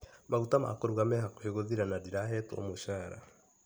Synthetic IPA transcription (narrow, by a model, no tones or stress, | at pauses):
maɣutama̰koɾuɣamɛhakoheɣoðiɾanadiɾaɦɛtɔ̰moɕaːɾa̰